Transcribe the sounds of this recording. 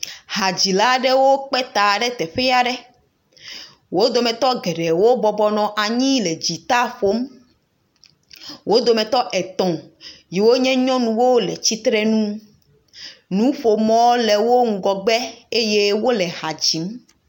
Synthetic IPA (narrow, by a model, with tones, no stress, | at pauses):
ha˨d͡ʑi˨la˦ɖɛ˦wo˦k͡pɛ˦t̪a˨ɖɛ˦t̪ɛ˨ɸɛ˦ja˨ɖɛ˦ | wo˦d̪o˨mɛ̃˨t̪ɔ˦ɡɛ˨ɖɛ˨wo˦bɔ˨bɔ˦nɔ̃˨ʔa˨ɲĩ˦le˨d͡ʑi˨t̪a˦ɸo˦m | wo˦d̪o˨mɛ̃˨t̪ɔ˦ʔɛ˨t̪ɔ̃˨ji˨wo˦ɲɛ̃˦ɲɔ̃˦nũ˨wo˦lɛ˨t͡ɕi˦t̪ɾɛ˦nũ˦ | nũ˨˦ɸo˨mɔ̃˦le˨wo˦ŋ̩˦ɡɔ˨ɡ͡bɛ˦e˦je˦wo˦lɛ˨ha˨d͡ʑi˨˦m